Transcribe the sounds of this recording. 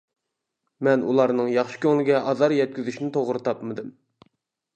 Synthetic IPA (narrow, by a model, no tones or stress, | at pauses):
mɛnṵlˠɑɾnɨŋjɑχʃɨ̥kʲøŋlɪɡʲɛʔɑzɑɾjɛt̪̚kʲyzyʃinɪt̪ʰoʁɾɨt̪ʰɑpmɨd̪ɨm